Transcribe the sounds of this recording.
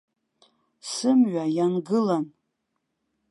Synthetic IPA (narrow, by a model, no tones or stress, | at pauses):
sɨmɥajanɡɨlan